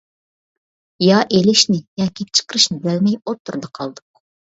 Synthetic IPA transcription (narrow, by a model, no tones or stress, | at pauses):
jɑʔelɪʃnɪjɑːkʲʰit͡ʃʰə̥qəɾɨʃnɪb̪ælmɛjot̪ːuɾd̪ɑqʰɑlˠd̪ʊq